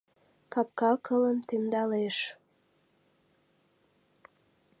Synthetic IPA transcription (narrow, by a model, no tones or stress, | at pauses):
kɑp̚kɑkʰələmt̪emd̪ɑleʃ